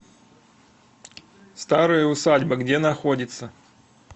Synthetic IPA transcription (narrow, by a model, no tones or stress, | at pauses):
st̪aɾɨjəʊsadʲbəɡdʲenɐxodʲɪt̪sə